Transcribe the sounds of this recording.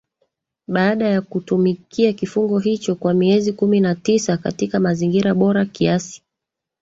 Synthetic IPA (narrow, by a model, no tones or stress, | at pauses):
ɓaaɗajakutumikʰiakifuŋɡɔɦit͡ʃɔkwamiɛzikuminatisaka̰tikamaziŋɡiɾaɓɔɾakiasi̥